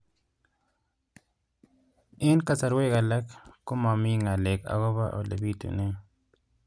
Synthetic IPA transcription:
i˦nka˦sa˨ɾwe˦ɣa˨la˦kku˦ma˨mi˦ŋa˨le˨ka̰˨ɣo˦βa̰˦ʔo̰˨le˨bi˦t̪ṵ˨ne˦ŋ

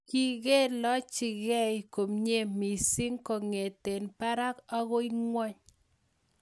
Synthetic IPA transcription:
ki˦ɣe˦lɔ˦t͡ʃɪ˨ɣɛ˦jko˨mɲe˦mi˨si˦ŋko˨ŋe˨te˨npa˦ɾa˦ka˦ɣo˦jŋwɔ˦ɲ

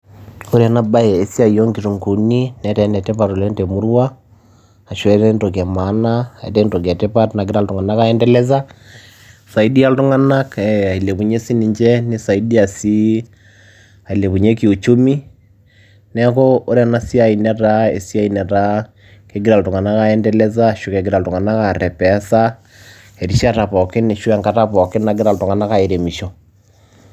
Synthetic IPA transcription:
o˦ɾa˨naba˦jɛː˨si˦a˨i˨jɔ˦ŋɡi˨ɾu˨ŋku˨ni˦nɛ˨˦tɛ˨˦nɛ˨tɛ˦pato˨lɛ˦ntɛ˨mu˦ɾwaː˨ | ʃwɛ˦ɾɛntɔ˨k̬ɛ˨ma˨˦naa˨ɛ̰˨tɛ˦ntɔ˨k̬ɛ˨tɛpa˦tna˨ɡiɾa˦ltu˨ŋɡa˨na˦ka˦ɛ˦ndɛ˦lɛ˦z̬a˦ | sa˨i˦di˦a˦ltu˦ŋa˦na˦kɛa˨i˨le˨βu˨ɲe˦si˦ni˨ɲd͡ʒɛ˦ni˦sa˨i˦di˦a˨si˦ | a˨i˨le˨βu˨ɲe˦ki˨o˨t͡ʃu˦mi˦ | nɛ˦kɔ˦o˦ɾɛ˦na˦si˦a˨i˨nɛ˦ɾa˦ḛ˨si˦a˦i˨nɛ˨ɾa˦ | ke˦ɡɪ˦ɾa˨ltʊ˨ŋa˨na˦ka˦ɛ˦ndɛ˦lɛ˦za˦˨ʃu˨kɛ˨ɡɪ˨ɾa˨ltʊ˨ŋa˨na˦ka˨ɾɛ˨pɛ˨˦sa˦ | e˨ɾi˦ʃa˦ta˨pɔ˨kɪ˦ne˨ʃu˦ɛ˦ŋka˦ta˦pɔ˨kɪ˦na˨ɡɪ˦ɾa˨ltʊ˨ŋa˨na˦ka˨i˨ɾe˨mi˨ʃɔ˨

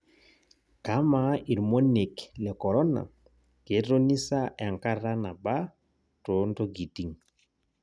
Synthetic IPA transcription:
ka˨˦ma˨i˨ɾmo˦ne˨klɛ˨kɔ˨ɾɔ˦na̰˨ | ke˨˦ɾo˦ni˦sa˦ʔa˨ŋka˦ɾa˦na˨ba˦ | to˨˦nto˦ɡi˨ti˨ŋ

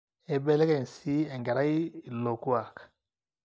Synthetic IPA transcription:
ɛ˨bɛ˦lɛ˦kɛ˨n˨si˦ɛ˨ŋɡa˨ɾa˦i˦i˨lo˨ku˦a˨k

